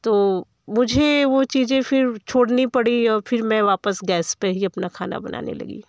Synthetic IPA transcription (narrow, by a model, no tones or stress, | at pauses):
t̪oː | mʊd͡ʒʱeʋot͡ʃiːd͡ʒẽfɪɾt͡ʃʰoːɽnipɐɽiɔːɾfʰɪɾmɛ̃ʋaːpəsɡɛːspeɦiɐpnakʰaːna̰bɐna̰ːnḛlɐ̰ɡḭː